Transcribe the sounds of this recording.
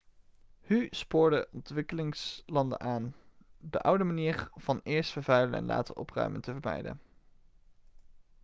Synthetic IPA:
hyspʊːɹdəʔɔntʋɪkəlɪŋslɑndə̰nʔaːndə̰ʔʌwdəmaniːɹv̥ɑnɪːɹstfəɹvɛjlənɛ̰nla̰ːtəɹʔɔprœ̰ɥmʔəntəvəɹmɛ̰jdə̰n

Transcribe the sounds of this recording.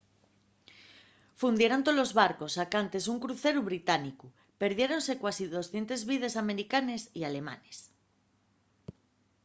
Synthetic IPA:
fund̪je̞ɾont̪olozβaɾko̞sakant̪e̞suŋkɾuθe̞ɾuβ̞ɾit̪aniku | pe̞ɾðje̞ɾo̞nse̞kwasiðo̞sθje̞nt̪e̞zβiðe̞same̞ɾikane̞siale̞ma̰nes

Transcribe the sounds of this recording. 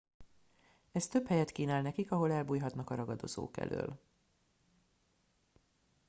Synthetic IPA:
ɛst̪ø̞phɛjɛt̪kiːnaːlnɛkikɒɦo̞lɛlbuːjɦɒt̪nɒkɒɾɒɡɒd̪o̞̰zo̰ːkɛ̰lʔø̰ːl

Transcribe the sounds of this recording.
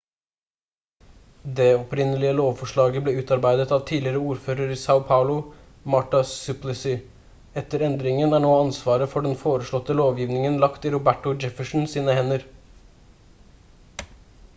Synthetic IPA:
d̪eːɔpɾɪnəlɪəloːʋfɔʂɭɑːɡəbleːʉːt̪ɑɾbæɪd̪ət̪ɑːʋt̪ʰiːlɪɾəuːɾføːɾəɾisaʊpʰɑʊlʊ | mɑʈɑsʉplɪsɪ | ɛt̪əɾɛnd̪ɾɪŋənæːɳoːɑnsʋɑːɾəfɔɖɛnfoːɾəʂɭɔt̪ːəloːʋjiːʋnɪŋənlɑkt̪iːɾʊbæʈʊd͡ʒɛfəʂɳ̩siːnəhɛnəɾ

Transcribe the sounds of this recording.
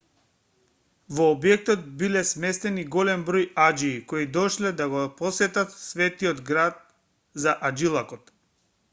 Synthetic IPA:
vɔːbjɛk̚t̪ɔt̪̚bilɛsmɛst̪ɛniɡɔlɛmbɾɔjad͡ʒiːkoid̪ɔʃlɛd̪aɡɔpɔsɛt̪at̪svɛt̪iɔd̪ɡɾat̪ | zaʔad͡ʒilˠakɔt̪

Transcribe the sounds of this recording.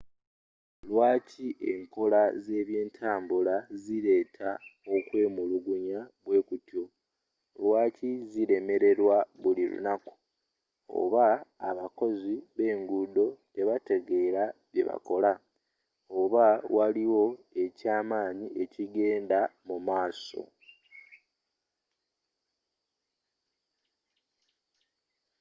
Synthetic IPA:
lwaːciʔe̞ŋko̞laze̞ːβje̞ːntʰaːmbulaziɾe̞ːtʰao̞kwe̞ːmuluɡuɲaβwe̞ːkutjo̞ | lwaːciziɾe̞me̞ɾe̞ɾwaβulilṵnaku̥ | o̰βaːβako̞ziβe̞ːŋɡuːdo̞te̞βate̞ɡe̞ːɾaβje̞̰βa̰ko̞la | oβawaliwo̞e̞caːmaːɲiʔe̞ciɡe̞ːndamumaːso̞̰

